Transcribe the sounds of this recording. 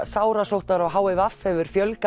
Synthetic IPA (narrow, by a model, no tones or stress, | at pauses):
saːwɾasowht̪aɾawɦaːwɪvafhɛvʏɾ̥fjœlk